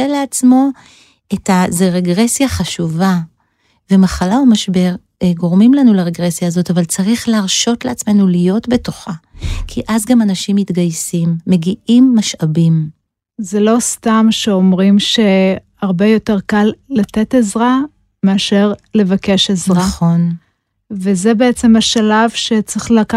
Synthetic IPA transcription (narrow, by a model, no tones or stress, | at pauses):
eleat͡smo̞ | etazeʁeɡʁe̞sjaχaʃuva | vemaχalaomaʃbe̞ʁ | ɡo̞ʁmimlanulaʁeɡʁesjaːzo̞tavalt͡saʁiχleaʁʃo̞tleat͡sme̞nulijo̞tbe̞to̞χakʰiʔazɡamanaʃimːitɡajsimːe̞ɡiʔimːaʃabim | zelo̞st̪amʃeomʁimʃe̞haʁbe̞jo̞te̞ʁkalːat̪etezʁa | meaʃe̞ʁle̞vakeʃezʁnaχo̞n | vezebeet͡se̞maʃalavʃet͡siχlaka